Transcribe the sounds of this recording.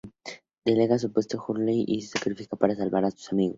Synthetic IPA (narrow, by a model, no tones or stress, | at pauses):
d̪eleɣas̬upwest̪oxuɾliʔisesakɾifikapaɾasalβaɾasu̥samiɣos